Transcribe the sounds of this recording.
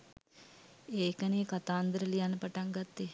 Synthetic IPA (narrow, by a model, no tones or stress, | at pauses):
eːkəneːkat̪aːnd̪əɾəlijanːəpaʈaŋɡat̪ːe